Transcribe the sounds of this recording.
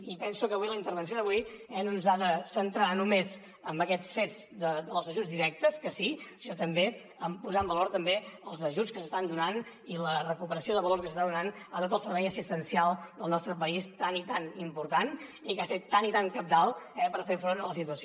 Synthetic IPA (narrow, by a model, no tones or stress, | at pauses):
ipɛnsukəβuiləint̪əɾβ̞əns̬joðəβui | ɛnonzaðəsənt̪ɾanumez | əmbəkɛt͡sfed͡z | d̪əd̪əlˠzəʒud͡zzðiɾɛk̚t̪əskəsisinɔt̪əmbe | əmpuzaəmbəloɾt̪əmbeəlˠzəʒut͡skəsəst̪and̪unan | ilərəkupəɾəsioðəβəlorskəsəst̪aðunan | aðat̪əlˠsəɾβɛjəsist̪ənsialˠd̪əlˠnɔst̪ɾəpəist̪anit̪animpuɾt̪anikaset̪ːanit̪aŋkəp̚d̪alˠɛpəɾfefɾonələsit̪uəs